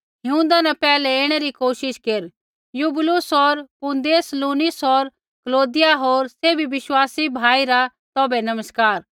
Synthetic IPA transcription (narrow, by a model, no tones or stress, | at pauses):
ɦɪũːnd̪anɛpɛːlɛeːɽ̃eɾikoːʃɪʃkeɾ | juːbɪlʊsɔɾpũnd̪eːsluːnɪsɦɔɾ | kəloːd̪ɪjaɦoːɾseːbʱiʋɪʃwaːsibʱaːiɾa | t̪ɔːbɛnɐməskaːɾ